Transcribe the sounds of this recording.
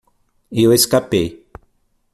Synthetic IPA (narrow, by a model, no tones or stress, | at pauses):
ioeskapej